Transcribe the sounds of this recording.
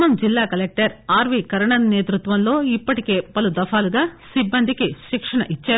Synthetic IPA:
mɐmd͡ʒilːaːkɐlek̚ʈɐɾaːɾʋiːkɐɾɐɳɐnneːt̪ɾut̪ʋɐnlo̞ːipːɐʈike̞ːpɐlud̪ɐfaːluɡaːsibːɐnd̪ʱikiʃikʂɐɳɐʔit͡ʃːaː

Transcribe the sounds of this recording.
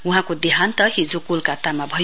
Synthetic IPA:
uɦãkod̪iɦant̪ʌhid͡zokulkat̪amabʱʌj

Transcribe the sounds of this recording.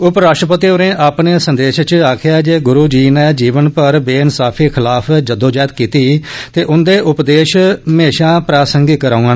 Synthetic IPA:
ʊpɾaːʂʈɾəpət̪iːoɾẽːʔaːpneːsənd̪eːʃt͡ʃaːkʰɪjaːd͡ʒeːɡʊɾuːd͡ʒiːnɛːd͡ʒiːʋənpəɾbeːɪnsaːpʰiːkʰɪlaːpʰd͡ʒəd̪oːd͡ʒaːɪt̪̚kiːt̪iːt̪eːʔʊnd̪eːʔʊpd̪eːʃmeːʃãːpɾaːsəŋɡɪkəɾãːən

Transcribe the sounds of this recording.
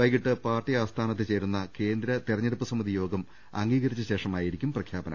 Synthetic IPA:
ɐjkiʈːɨpaːrʈiaːst̪ʰaːnɐt̪ːɨt͡ɕe̞ːɾunːɐke̞ːnd̪ɾɐt̪irɐɲːɐɽupːɐsɐmːɐðijo̞ːɡɐm | ɐŋɡiːɣɐɾit͡ɕːɐɕe̞ːʂɐmaːjiɾikʲːumprɐkʰjaːbɐnɐ̰

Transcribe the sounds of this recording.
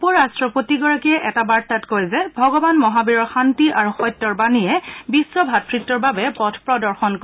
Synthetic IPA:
upɔɹastɹɔpotiɡɔɹakiɛʔɛtabaɹtatkojzɛbʱɔɡɔbanmɔɦabiɹɔɹxantiʔaɹuxɔjtːɔɹbanijɛbisːɔbʱat̚kʰɹitːɔɹbabɛpɔtʰpɹɔdɔɹxɔnk

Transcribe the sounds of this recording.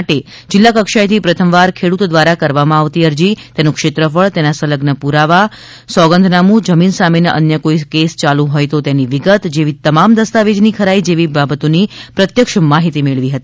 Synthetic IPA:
ʈe | d͡ʒɪlːakəkʃajt̪ʰipɾət̪ʰəmʋaɾkʰeɽut̪od̪ʋaɾakəɾʋamãaʋt̪iəɾd͡ʒit̪enũkʃɪt̪ɾəfəɭt̪enasələɡnəpuɾaʋa | sɔɡə̃nd̪ʱnamũd͡ʒəminsamenəʔənjəkoikest͡ʃalũɦɔjt̪ot̪eniʋɪɡət̪d͡ʒeʋit̪əmamd̪əst̪aʋed͡ʒnikʰəɾaid͡ʒeʋibabət̪onipɾət̪jəkʃəmaɦit̪imeɭʋiɦət̪i

